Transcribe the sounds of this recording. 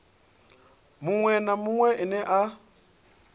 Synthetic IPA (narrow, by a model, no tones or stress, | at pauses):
mʊŋwɛnamʊŋwɛʔɪnɛʔa